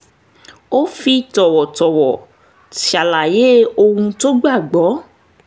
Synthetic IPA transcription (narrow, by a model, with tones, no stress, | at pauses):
o˦fi˧tɔ˨wɔ˨tɔ˨wɔ˨ | a˨la˨je˨˦o˧hũ˧to˦ɡ͡ba˦˨ɡ͡bɔ˨˦